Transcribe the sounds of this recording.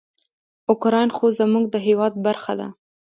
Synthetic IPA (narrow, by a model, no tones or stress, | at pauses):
ʊkɾɑjnxozamuɡ̚d̪əɦewɑd̪̚baɾxa̰d̪a̰